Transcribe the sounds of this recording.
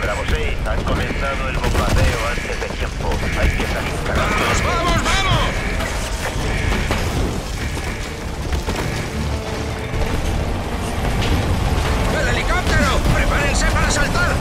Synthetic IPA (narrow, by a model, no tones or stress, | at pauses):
bɾamosist̪aŋkomẽnθanðoelβombaðeoant̪ezðet̪jempoajpjest̪asint̪alanozβamozβamos | benelikop̚t̪eɾopɾepaɾensepaɾasalt̪aɾ